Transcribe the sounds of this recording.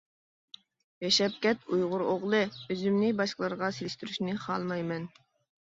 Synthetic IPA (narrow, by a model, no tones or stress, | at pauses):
jɛʃɛp̚kʲɛt̪ʰujʁʊɾoʁlˠɨøzymnɪbɑʃqəlˠɑɾʁɑselɪʃt̪yɾyʃnɪχɑlˠmɑjmɛn